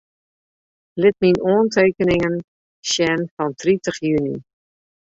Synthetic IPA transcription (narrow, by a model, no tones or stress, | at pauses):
lɪt̚minoːnteːkənɪŋən | ʃjɛnfɔntʰritəχjyni